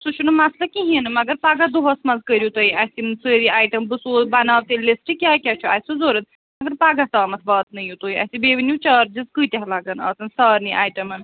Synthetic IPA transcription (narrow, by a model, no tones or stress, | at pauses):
sut͡ʃʰunumaslɐkiɦĩnɨmɐɡɐɾpaːɡɐd̪uɦɐsmɐnzkəɾʲjut̪oiʔɐsimnsəːɾiaːjʈɐmbɨsobanaːʋt̪ellesʈikʲjaːkʲat͡ʃʰuasuzoːɾɐt̪̚ | mɐɡɐɾpaːɡɐt̪aːmɐt̪ʰbɐːt̪nɐjut̪oːiɐ̰sʲibeːʋinjut͡ʃaːɾd͡ʒizkɨt̪ʲɐɦlaːɡɐnɐ̰ːt̪ɨnsɐːɾniʔaːjʈɐmɐn